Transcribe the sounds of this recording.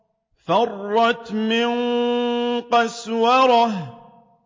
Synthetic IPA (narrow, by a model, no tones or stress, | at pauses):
fɑrˤːɑt̪mɪn | qɑswɑɾˤɑh